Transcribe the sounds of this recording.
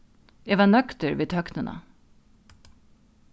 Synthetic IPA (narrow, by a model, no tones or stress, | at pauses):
eːʋɑːnœkt̪əɹʋeːt̪ʰœknənʔə̰